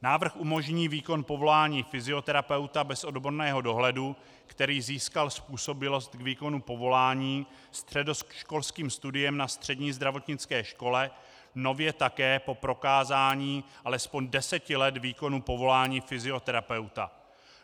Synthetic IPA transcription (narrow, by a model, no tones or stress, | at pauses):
naːvr̩xʔumo̞ʒɲiːviːko̞npo̞vo̞laːɲiːfɪzɪo̞t̪ɛɾapɛwt̪abɛsʔo̞dbo̞ɾnɛːɦo̞do̞ɦlɛdu | kt̪ɛɾiːziːskalspuːso̞bɪlo̞st̪ɡviːko̞nupo̞vo̞laːɲiː | st̪r̝̥ɛdo̞sʃko̞lskiːmst̪udɪjɛmnast̪r̝̥ɛdɲiːzd̪ɾavo̞t̪ɲɪt͡skɛːʃko̞lɛ | no̞vjɛt̪akɛːpo̞pɾo̞kaːzaːɲiːʔalɛspo̞ɲdɛsɛcɪlɛt̪viːko̞nupo̞vo̞laːɲiːfɪzɪo̞t̪ɛɾapɛwt̪a̰